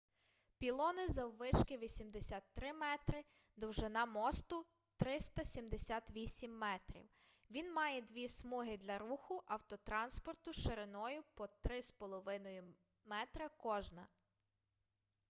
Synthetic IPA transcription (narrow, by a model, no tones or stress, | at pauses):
pʲilˠɔnɪzɐwʋɪʃkɪʋʲisʲimd̪esʲat̪ːɾɪmɛt̪ɾɪ | d̪ɔwʒɪnɑmɔst̪ʊ | t̪ɾɪst̪ɐsʲimd̪esʲɑt̪ʋʲisʲimːɛt̪ɾʲḭw | ʋʲinmɑjɛd̪ʋʲismɔɦɪd̪lʲɐɾuxʊʔɐwt̪ɔt̪ɾɑnspɔrt̪ʊʃeɾenɔjʊpɔt̪ɾɪspɔlˠɔʋɪnɔjʊ | mɛt̪ɾɐkɔʒnɐ